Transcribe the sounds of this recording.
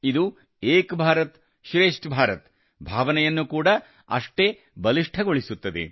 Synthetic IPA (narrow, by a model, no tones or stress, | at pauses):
id̪u | eːkbʱaːɾɐt̪ | ʃɾeːʂʈbʱaːɾɐt̪ | bʱaːʋɐnɛjɐnːukuːɽɐ | ɐ̰ʂʈe̞ | bɐliʂʈʰɐɡoɭisut̪ːɐd̪ḛ